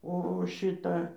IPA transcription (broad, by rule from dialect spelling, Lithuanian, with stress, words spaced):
ˈoː oː ˈʃʲɪtɐ